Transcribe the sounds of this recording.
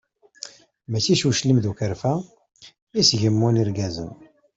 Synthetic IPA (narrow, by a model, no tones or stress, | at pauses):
mət͡sːiʃuʃlimðukəɾfæ | isʝəmːuniɾɡæzə̰n